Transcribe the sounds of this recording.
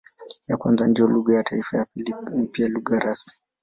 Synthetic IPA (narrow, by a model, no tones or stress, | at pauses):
jakwanzandijɔluɠajatʰaifajalipialuɠaɾasmi̥